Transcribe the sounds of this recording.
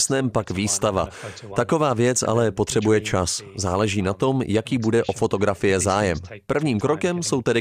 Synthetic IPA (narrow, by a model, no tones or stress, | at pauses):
snɛːmpakviːst̪ava̰t̪ako̞vaːvjɛt͡sa̰lɛpo̞t̪r̝̥ɛbujɛt͡ʃaszaːlɛʒiːnat̪o̞mjakiːbudɛʔo̞fo̞t̪o̞ɡɾafɪjɛzaːjɛmpr̩vɲiːmkɾo̞kɛmso̞wt̪ɛdɪ